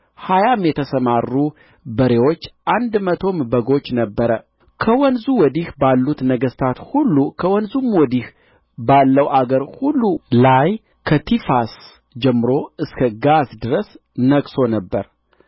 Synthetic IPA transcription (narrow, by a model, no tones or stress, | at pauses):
hajamjɛt̪ʰəsəmarːu | bəɾewot͡ʃːʔand̪mət̪ʰo̞mbəɡo̞t͡ʃːnəbːəɾə | kʰəwɔnzuwɔd̪ihbalːut̪nəɡəst̪ʰat̪hulːukʰəwɔnzumwɔd̪ih | balːəwʔaɡəɾhulːulaj | kʰət̪ʰifas | d͡ʒɛmːɨɾo̞ɨskʰəɡasd̪ɨɾəs | nəɡso̞nəbːəɾ